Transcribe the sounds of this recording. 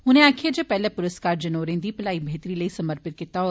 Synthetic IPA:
ʊnẽaːkʰed͡ʒəpɛɦlepʊɾəskaːɾd͡ʒɐnoːɾẽːnd̪ipɐlaːibʱeːt̪ɾilɐisɐməɾpɪt̪̚kɪt̪aɔ

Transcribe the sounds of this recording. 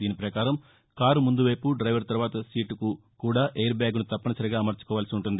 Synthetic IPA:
d̪iːnipɾɐkaːɾɐm | kaːɾumund̪uʋɐjpuɖɾɐjʋɐɾt̪ɐɾʋaːt̪ɐsiːʈuku | kuːɽaːʔejɐɾbaːɡunut̪ɐpːɐnɐsɐɾiɡaːmɐɾt͡ʃu̥kɔːʋaːlɐsiuɳʈund̪i

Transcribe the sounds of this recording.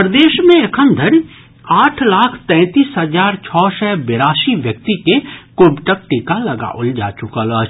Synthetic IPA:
pɾd̪eːʃmẽekʰə̃nd̪ʱəɾ | aːʈʰlaːkʰt̪ɛ̃ːt̪iːsɦəzaːɾt͡ʃʰɔːsɛːbɪɾaːʃiʋjək̚t̪ikekʊbʈək̚ʈikalɐɡa̰ʔʊld͡ʒa̰ːt͡ʃʊkalɔː

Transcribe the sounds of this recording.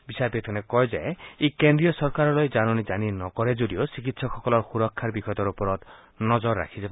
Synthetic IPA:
bisaɾpet̪ʰɔnekɔjd͡ʒaeekend̪ɾijɔsɔɾkaɾɔlɔjd͡ʒanɔnid͡ʒaninɔkɔɾed͡ʒoɽiosikit̪sɔkʰɔkɔlɔɾxuɾɔkʰːaɾbikʰɔt̪ɔɾupɔɾɔt̪ | nɔd͡ʒɔɾːa̰kʰid͡ʒaba

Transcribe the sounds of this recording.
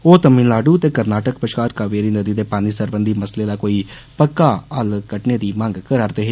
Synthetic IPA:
oːt̪əmɪnlaːɖuːt̪eːkəɾnaːʈəkpəʃkaːɾkaːʋeɾiːnəd̪iːd̪eːpaːniːsəɾbənd̪ʱiːməsleːd̪aːkoːiː | pəkːaːəlkəʈneːd̪iːmə̃ŋɡkəɾaːɾd̪eːɦeː

